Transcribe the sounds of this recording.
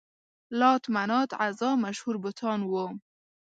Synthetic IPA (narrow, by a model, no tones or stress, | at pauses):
lɑt̪manɑt̪azɑmaʃhuɾbət̪ʰɑnwom